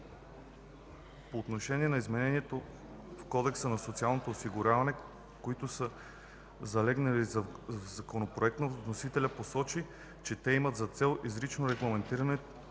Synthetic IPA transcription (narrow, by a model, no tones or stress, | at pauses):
poːt̪noʃɛniɛnɐizmɛnɛniɛt̪o | fkɔd̪ɛksənɐsot̪sialˠnot̪oːsiɡʊɾʲavɐnɛ | koit̪ʊsə | zɐlɛɡnɐlizvzɐkonopɾoɛk̚t̪nonosit̪ɛlʲɐposɔt͡ʃi | t͡ʃɛt̪ɛimɐt̪zɐt̪sɛlˠizɾit͡ʃnoɾɛɡlˠɐmɛnt̪iɾɐnɛ